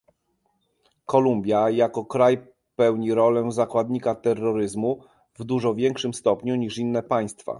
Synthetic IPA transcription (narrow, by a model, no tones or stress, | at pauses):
kɔlumbʲjajakɔkɾaj | pɛwɲiɾɔlɛzakwad̪ɲikat̪ɛrːɔɾɘzmu | vd̪uʐɔvʲjɛŋkʂɘmst̪ɔpɲuɲiʂinːɛpaj̃st̪fa̰